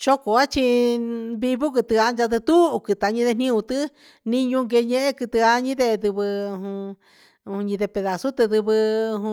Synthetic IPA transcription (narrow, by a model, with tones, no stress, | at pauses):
t͡ʃo˦ko˨a˦t͡ʃi˧βi˧βu˦k̬ɨ˧t̪ɨ˧a˧nd͡ʒa˧t̪̬ɨ˧t̪u˦˧kɨ˧t̪a˧ɲĩ˧ðe˧nĩ˦ũ˧t̪ɨ˦ | nĩ˦ɲũ˧ŋɡe˧ɲẽ˦˧ʔe˦kɨ˧t̪ɨ˧a˧ɲĩ˦ðe˧d̪ɨ˧βɨ˧ɦũ˧ | ũ˧ɲĩ˧ðe˧pe˧ða˧su˦t̪ɨ˧ðɨ˧βɨ̃˧